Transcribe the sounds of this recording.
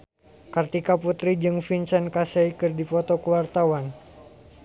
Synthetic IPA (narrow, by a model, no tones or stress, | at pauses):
kart̪ikaput̪ɾid͡ʒɨŋfinsɛnkasɛikɨrdifɔt̪ɔkuwart̪awan